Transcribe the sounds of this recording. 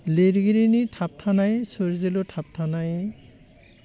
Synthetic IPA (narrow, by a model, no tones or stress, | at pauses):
leɾɡiɾinitʰap̚tʰanajsoɹzelutʰap̚tʰanaj